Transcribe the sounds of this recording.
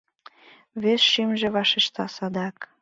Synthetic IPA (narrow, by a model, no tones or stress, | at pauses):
βesʃimʒĕβɑʃeʃt̪ɑsɑd̪ɑk